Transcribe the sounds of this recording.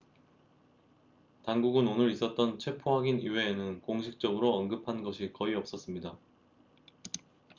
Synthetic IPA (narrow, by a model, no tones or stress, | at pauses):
taŋɡuɡɯnonɯɾis͈ʌt̚t͈ʌnt͡ɕʰwe̞pʰoɦaɡiniwe̞ːnɯnkoŋɕʰik̚t͡ɕ͈ʌɡɯɾoʌnɡɯpʰanɡʌɕʰikʌiʌp̚s͈ʌs͈ɯmɲida